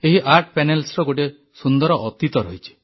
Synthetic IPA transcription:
eɦiʔaɾʈʰpenelsɾɔɡoʈ̬e | sund̪ɔɾɔʔɔt̪it̪ɔɾɔɦit͡ʃʰi̥

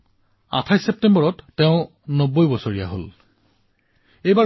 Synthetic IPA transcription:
a̰tʰajsep̚tembɔɹɔtːeʊ̃ | nobojbɔsoɹijaɦo̰l | ejba

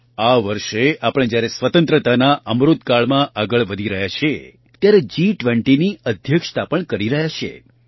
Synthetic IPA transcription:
aʋəɾʃeapəɽ̃d͡ʒjaɾesʋət̪ə̃nt̪ɾət̪anaʔəmɾut̪kaɭmãʔaɡəɭʋəd̪ʱiɾəɦjat͡ʃʰe | t̪jaɾed͡ʒiʈʋə̃ɳʈiniəd̪ʱjəkʃt̪apəɳkəɾiɾəɦjat͡ʃʰḛ

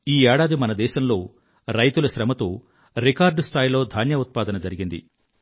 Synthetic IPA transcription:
iːɛːɽaːd̪imɐnɐd̪ɛːʃɐmlo̞ː | ɾɐjt̪ulɐʃɾɐmɐt̪oː | ɾikaːɾɖst̪ʰaːjlo̞ːd̪ʱaːnjɐut̪̚paːd̪ɐnɐd͡ʒɐɾiɡind̪ḭ

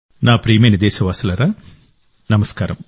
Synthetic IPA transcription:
naːpɾiːmeːnid̪eːʃɐʋaːsɐlɐɾa | nɐmɐskaːɾɐm

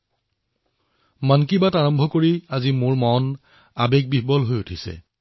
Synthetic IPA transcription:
mankibataɹɔmbʱɔkoɹiazimoɹmɔn | abek̚bibɔlɦojutʰisɛ̰

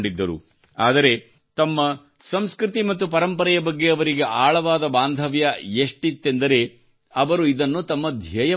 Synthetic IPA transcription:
ɳɖid̪ːɐɾṵ | aːd̪ɐɾe̞ | t̪ɐmːɐ | sɐmskɾit̪imɐt̪ːupɐɾɐmpɐɾɐjɐbɐɡːe̞ɐʋɐɾiɡe̞ʔaːɭɐʋaːd̪ɐbaːnd̪ʱɐʋjɐeʂʈit̪ːe̞nd̪ɐɾe̞ | ɐʋɐɾuid̪ɐnːut̪ɐmːɐd̪ʱjɐjɐ

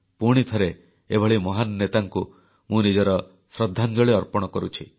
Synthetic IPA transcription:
puɽ̃it̪ʰɔɾe | ebʱɔɭimɔɦanɔnet̪aŋku | mũnid͡ʒɔɾɔ | sɾɔd̪ʱːand͡ʒɔɭeɔɾpɔɽ̃ɔkɔɾṵt͡ʃʰi

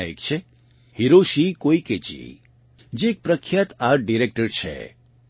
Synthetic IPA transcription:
ḛk̚t͡ʃʰe | hiɾoʃikoiket͡ʃḭ | d͡ʒeːk̚pɾəkʰːjat̪aɾʈ̚ɖiɾek̚ʈəɾt͡ʃʰḛ

